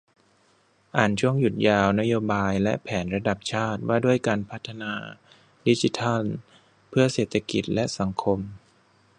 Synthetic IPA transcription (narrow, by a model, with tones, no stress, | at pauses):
ʔaː˨˩nt͡ɕʰu˥˩əŋju˨˩t̪̚jaː˧wna˦˥joː˧baː˧jlɛ̰˦˥ʔpʰɛː˩˦nɾa˧da˨˩p̚t͡ɕʰaː˥˩t̪̚waː˥˩du˥˩əjkaː˧npʰa˦˥t̪ʰːa˧naː˧ | di˦˥t͡ɕi˧˦˥t̪ʰa˥˩l | pʰɯ˥˩ɐseː˨˩t̪ʰːa˧ki˨˩t̪̚lɛ˦˥ʔsa˩˦ŋkʰo˧m